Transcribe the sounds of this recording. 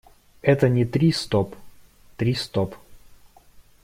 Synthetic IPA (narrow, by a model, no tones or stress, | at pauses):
ɛt̪ənʲɪt̪ɾʲist̪op | t̪ɾʲist̪op